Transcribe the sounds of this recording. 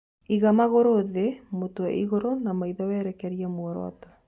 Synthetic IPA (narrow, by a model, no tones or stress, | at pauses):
iɣamaɣoɾoðemotwɛ̰ʔiɣoɾonamaiðawɛɾɛkɛɾiamwɔɾɔ̰ɔ̰tɔ